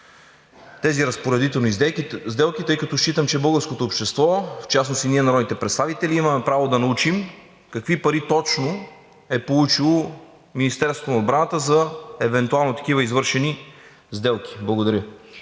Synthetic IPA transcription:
t̪ɛziɾɐspoɾɛd̪it̪ɛlˠnizd̪ɛlˠkit̪ɤjkɐt̪ɔʃit̪əmt͡ʃɛbɤlˠɡəɾskot̪oːpʃt̪ɛst̪vɔft͡ʃasnost̪iniɛnɐɾɔd̪it̪ɛpɾɛt̪st̪avit̪ɛliimɐmɛpɾavod̪ɐnɐut͡ʃim | kɐkvipɐɾit̪ɔt͡ʃno | ɛpolˠut͡ʃilˠo | minist̪ɛɾso̥t̪onɐod̪bɾanət̪əzɐɛvɛnt̪ualˠnot̪ɐ̥kivəizvɤɾʃɛni | zd̪ɛlˠk̟ʰʲi̥blˠɐɡod̪ɐɾʲjə

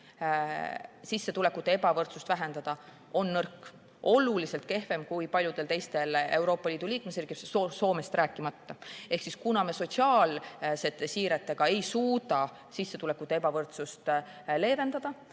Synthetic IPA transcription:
sisːe̞t̪ule̞kːˑut̪ːˑe̞ebɑvɤrt̪sust̪væɦe̞nd̪̥ɑd̪̥ɑ | o̞nːɤrkː | o̞lulise̞lt̪̚ke̞hve̞mkujpɑlʲjud̪̥e̞lt̪e̞jst̪e̞le̞wɾo̞ːpːˑɑliːd̪̥uliːkme̞sriːɡ̥isoso̞ːme̞st̪ɾæːkːˑimɑt̪ːɑe̞hksiskunɑmeso̞t̪ʲsiɑːlse̞t̪ːesiːɾet̪ːe̞ɡ̥ɑe̞jsuːd̪ɑ | sisːe̞t̪ule̞kːut̪ːeebɑvɤrt̪sust̪ | le̞ːve̞nd̪̥ɑd̪̥ɑ

